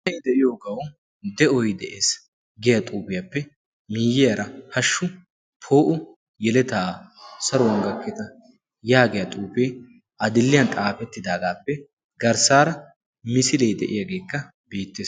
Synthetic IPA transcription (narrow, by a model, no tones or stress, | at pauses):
ɐjd̪ɛʔɪjoːɡɐw | d̪ɛʔɔjd̪ɛʔeːs | ɡɛjɐt̪ʼuːpɪjɐpːɛ | miːjɪjɐɾɐhɐʃːʊ | pʰo̞ːʔʊ | jɛlɛt̪aːsɐɾɔwɐŋɡɐkːɛt̪ɐ | jaːɡɛjɐt̪ʼuːpeː | ɐd̪ɪlːɪjɐnt̪ʼaːfɛt̪ːɪd̪aːɡaːpːɛ | ɡɐɾsaːɾɐ | mɪsɪlejd̪ɛʔɪjaɡe̞ːkːɐ | b̥e̞ːt̪ːeːs